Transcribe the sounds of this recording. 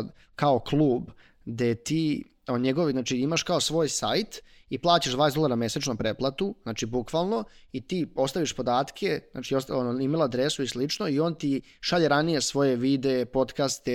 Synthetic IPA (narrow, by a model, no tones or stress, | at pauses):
kaoklˠuːb | d̪et̪iː | oɲeɡoʋiznaːt͡ʃiimaʃkaosʋo̞ːjsajt̪ | iplˠaːt͡ɕaʒd̪vaːesd̪lˠaɾamjeset͡ʃnupɾeplˠat̪uznaːt͡ʃibukʋalˠno̞it̪iːo̞st̪aʋiʃpo̞d̪aːt̪kʰena̰t͡ʃiost̪onoimelˠad̪ɾesuislit͡ʃnoio̞ːnt̪i | ʃaʎeɾanije̞sʋo̞je̞ʋid̪eepo̞t̪kast̪e